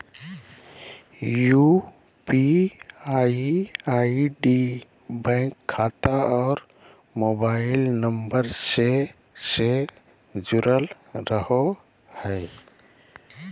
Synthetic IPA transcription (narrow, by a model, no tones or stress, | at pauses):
ju | pia | aiɖi | bɛ̃ːŋkʰːaːt̪aɔːɾ | mobaːɪlnəmbəɾse | se | d͡ʒʊɾəl | ɾəɦo | hɛː